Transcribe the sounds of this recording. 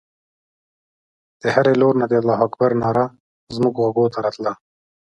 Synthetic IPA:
d̪̥əhaɾeloɾnad̪ead̪lɑɦakbaɾnɑːɾa | zmuɡɣwaɡot̪aɾɑt̪la

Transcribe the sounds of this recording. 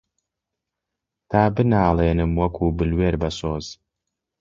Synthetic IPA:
t̪ʰaːbɨnaːlˠeːnɨmwɐkʷʰuːbɨlweːɾbɐsoːz̥

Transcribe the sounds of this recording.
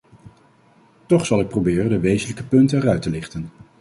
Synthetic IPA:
tɔχsɑlˠɪk̚probɪːrəndəʋejzənləkəpɵntənɛrœɥtəlɪχtən

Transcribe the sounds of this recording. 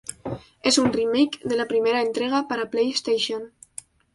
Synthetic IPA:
ezunrimejkðelapɾimeɾaent̪ɾeɣ̞apaɾaplejest̪ejʃon

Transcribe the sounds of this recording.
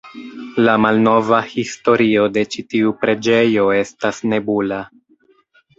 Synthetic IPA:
lamalno̞vahisto̞ɾio̞de̞t͡ʃitiupɾe̞d͡ʒe̞jo̞e̞stasne̞bula

